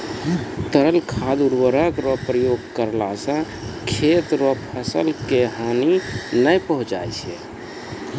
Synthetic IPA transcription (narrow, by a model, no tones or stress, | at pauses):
t̪əɾəlkʰad̪uɾwəɾəkɾɔpɾəjoɡkəɾlasə̃ | kʰet̪ɾɔpʰɛsəlkeɦaninəjpəɦũt͡ʃa̰jt͡ʃʰḛ